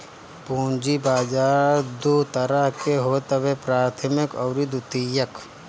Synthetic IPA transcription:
pũːnd͡ʒibaːd͡ʒaːɾd̪oːt̪ɐɾəɦkeɦoːt̪əʋepɾaːt̪ʰəmɪkɔːɾid̪ut̪ijək

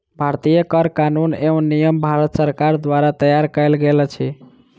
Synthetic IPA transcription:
bʱaɾt̪ijəkəɾkanuneũnːijəmbʱaɾət̪səɾkaɾd̪waɾat̪əjaɾkəjlɡelət͡ʃʰi

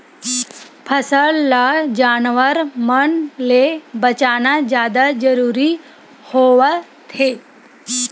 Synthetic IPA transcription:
pʰəsəɭlad͡ʒaːnʋəɾmənlebət͡ʃaːnad͡ʒjaːd̪ad͡ʒəɾuːɾi | hoːʋə | t̪ʰeː

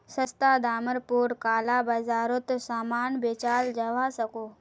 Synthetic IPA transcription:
səst̪aːd̪aːməɾpuːɾkaːlaːbɐzaːɾot̪saːmaːnbeːt͡ʃaːld͡ʒɐʋaːsɐkoː

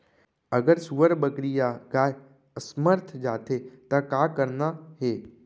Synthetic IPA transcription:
əɡəɾsuʋəɾbəkɾijaɡaːɦ | əsməɾt̪ʰd͡ʒaːt̪ʰet̪akaːkəɾnaɦeː

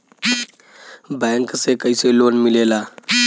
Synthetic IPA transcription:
bɛŋksekəiseloːnmilelaː

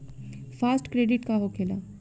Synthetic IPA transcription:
faːsʈkɾeːɖɪʈkaɦokʰeːla

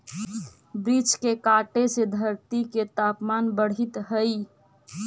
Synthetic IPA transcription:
bɾiːt͡ʃkekaːʈesed̪ʱəɾt̪iket̪aːpmaːnbəɽ̤ɪt̪ɦəi

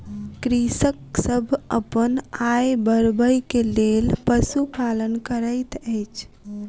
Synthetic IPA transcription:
kɾisəksəbʱə̰pənajbəɾbəjkelelpəsupalənkəɾəjt̪əjt͡ʃʰ

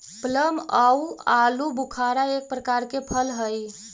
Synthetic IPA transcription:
pələmaualubukʰaɾaek̚pɾəkaɾkepʰəlɦəj

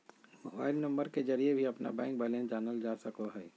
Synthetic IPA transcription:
mo̰ba̰ːɪlnɐ̃mbəɾked͡ʒɐɾiebʱiɐpna̰bɛ̃ːŋk̚bɛːlɛ̃nsd͡ʒaːnəld͡ʒaːsɐkoɦɛː

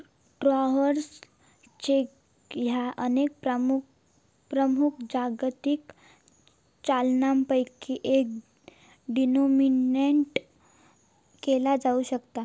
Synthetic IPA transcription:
ɖɾɔɦəɾs | t͡ɕek | jaʔənek̚pɾmu | pɾəmukʰd͡ʑaɡt̪ik | t͡ɕalnampəjkiʔek̚ | ɖinomineɳʈ | kelad͡zauɕəkt̪a

